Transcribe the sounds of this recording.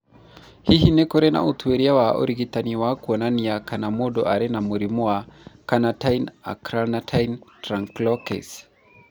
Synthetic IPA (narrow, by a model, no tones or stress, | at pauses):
hihinɛkɔɾɛna̰utuɛɾiawaɔ̰ɾiɡitaniwakuɔnaniakanamɔɗɔ̰ʔaɾɛnamuɾimuakanatajna̰kɾanatʰajntɾaŋklɔkɛ̰s